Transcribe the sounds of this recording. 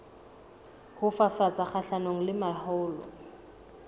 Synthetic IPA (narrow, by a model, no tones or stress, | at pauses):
hʊfafat͡saχaɬanoŋ̩lɪmahʊːlɔ̰